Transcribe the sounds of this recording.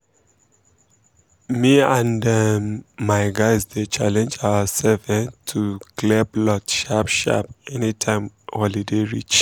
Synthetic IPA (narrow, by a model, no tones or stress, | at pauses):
miãndamaɪɡaɪsðət͡ʃalɛ̃nd͡ʒaəsɛvɛ̃ntʰuklɛblɔtʃapʃa̰p̚ɛnitʰãɪ̃mhɔlideɹḭt͡ʃ